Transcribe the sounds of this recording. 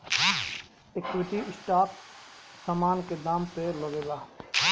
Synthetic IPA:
ɪkɾɪt̪iɪsʈaːpsaːmaːnked̪aːmpelɐɡeːlaː

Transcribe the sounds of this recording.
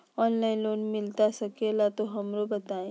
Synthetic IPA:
ɔːnlaːɪ̃nloːnmɪlt̪asɐkelat̪oɦɐmɾobɐt̪aːẽː

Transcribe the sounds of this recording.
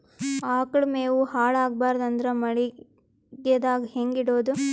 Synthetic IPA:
aːkɐɭmeːʋuhaːɭaːɡ̚baːɾd̪ɐnd̪ɾɐmɐɭi | ɡed̪aːɡheŋɡiɽoːd̪u

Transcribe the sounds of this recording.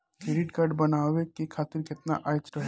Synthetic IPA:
keːɾɪʈkaːɾɖbɐnaːʋekikʰaːt̪ɪɾkɪt̪na̰ʔaːjt͡ʃɾɐɦ

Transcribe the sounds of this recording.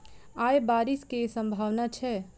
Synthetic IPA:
ajbaɾiskesə̃mbʱaʋnat͡ʃʰɛ

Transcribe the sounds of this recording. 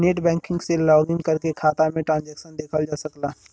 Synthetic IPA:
neːʈbɛ̃ːŋkɪ̃ŋɡselɔːɡɪ̃ŋɡkəɾkekʰaːt̪amẽʈɾãːnd͡ʒɛːkʃənd̪eːkʰəld͡ʒaːsəklaː

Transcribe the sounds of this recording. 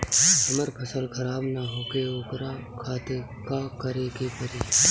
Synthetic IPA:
ɐməɾpʰəsəlkʰɐɾaːbnaɦoːkeoːkɾakʰaːt̪e | kaːkəɾekepəɾiː

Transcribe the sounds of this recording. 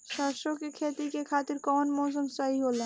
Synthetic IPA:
ʃaːʃõkikʰeːt̪ikekʰaːt̪ɪɾkɔːnmɔːs̬əmsɐɦiɦoːlẽː

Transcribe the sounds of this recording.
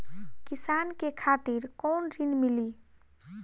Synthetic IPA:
kisankekʰat̪iɾkonɾinmili

